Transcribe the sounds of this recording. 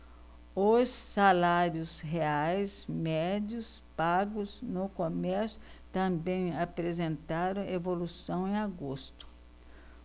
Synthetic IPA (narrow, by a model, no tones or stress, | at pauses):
osːalaɾjʊsɦeajsmɛd͡ʒjʊspaɡʊznʊkomɛɾsjʊt̪ɐ̃mbẽj̃apɾezẽnt̪aɾɐ̃evolusɐ̃w̃ẽj̃aɡost̪ʊ̥